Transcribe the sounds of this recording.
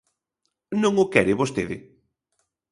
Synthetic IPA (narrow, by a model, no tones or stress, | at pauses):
nõŋʊkɛɾɪβost̪eðɪ